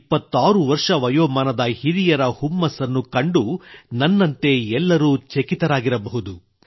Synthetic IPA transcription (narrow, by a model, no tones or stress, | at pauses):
pːɐt̪ːaːɾuʋɐɾʂɐʋɐjoːmaːnɐd̪ɐhiɾijɐɾɐhumːɐsɐnːukɐɳɖunɐnːɐnt̪e̞ɛlːɐɾuːt͡ʃekit̪ɐɾaːɡiɾɐbɐɦud̪u